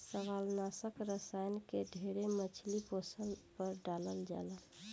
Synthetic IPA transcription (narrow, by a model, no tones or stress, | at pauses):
səbalnasəkɾəsajnkeɖʱeɾemət͡ʃʰliposəlpəɾɖaləld͡ʒa̰lə